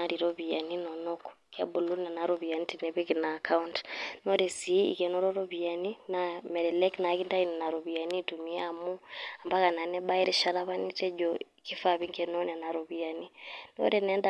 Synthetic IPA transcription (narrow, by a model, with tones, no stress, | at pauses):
a˨˦ɾi˨ɾo˦βi˨a˨ni˦nɔ˨nɔ˦kɔ̥ | kɛ˦bu˨lu˦nɛ˨na˨ɾo˦βi˨a˨ni˦ti˨nɛ˨βi˦ki˨naː˨ka˦u˦ntnɔ˦ɾɛ˨si˨˦ḭ˨kɛ˨˦nɔ˦ɾɔ˦ɾo˦βi˨a˨ni˦na˨mɛ˨ɾɛ˨lɛ˦kna˨ki˦nda˦i˨nɛ˨na˨ɾo˨βi˨a˨ni˦tu˨mi˨a˦a˨mu˦a˨mba˦ka˨na˨nɛ˦ɓa˦i˦ɾe˦ʃa˦ɾa˦βa˦ni˦tɛ˦d͡ʒɔ˨ | ki˦fa˦˨βi˦ŋɡɛ˦nɔ˦nɛ˨na˨ɾo˨βi˨a˨ni˦no̰˦ɾɛ˨nɛ˦nda